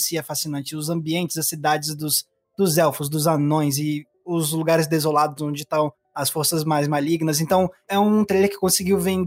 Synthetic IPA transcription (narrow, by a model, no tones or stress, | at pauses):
siɛfasinɐ̃nt͡ʃɪʊzɐ̃mbiẽnt͡ʃɪzɐsid̪ad͡ʒɪzd̪ʊs | d̪ʊzɛwfʊzd̪ʊzanõj̃zɪ | ʊzluɡaɾɪzd̪ezolad̪ʊzõd͡ʒɪt̪ɐ̃w̃ | ɐsfoɾsɐzmajzmaliɡnɐz̬ẽnt̪ɐ̃w̃ɛũũt̪ɾejleɾkɪ̥kõsɪɡiwvẽnd̪